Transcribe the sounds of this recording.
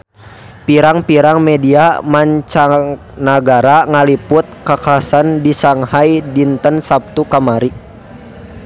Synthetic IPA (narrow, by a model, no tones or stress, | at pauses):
piɾaŋpiɾaŋmɛdiamaɲt͡ʃaŋ | naɡaɾaŋalipʊt̪̚kakaasandisaŋhajdint̪ənsap̚t̪ukamaɾi